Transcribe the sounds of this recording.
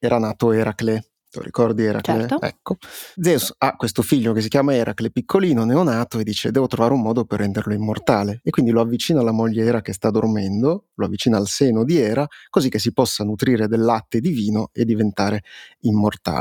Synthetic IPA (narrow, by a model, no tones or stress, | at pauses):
ɛːɾanaːt̪oɛɾakle | t̪o̰ɾḭkɔrd̪iɛɾa̰t͡ʃleɛ̰kʰːod̪zɛusakwest̪ofiʎːok̟es̬ikjaːmaeɾʔa̰klepikʰːoliːnonɛɔnaːt̪oed̪ːiːt͡ʃed̪ɛːvot̪ɾovaːɾeumːɔːd̪operːɛnd̪erloimːort̪aːleːkwind̪iloavːit͡ʃiːnaːlːamoʎːeɛːɾak̟est̪ad̪ormɛnd̪oloavːit͡ʃiːnaːlsɛːnod̪iɛːɾakozikːes̬ipɔsːanut̪ɾiːɾed̪elːat̪ːed̪iviːnoed̪ːivent̪aːɾeimːort̪a̰ː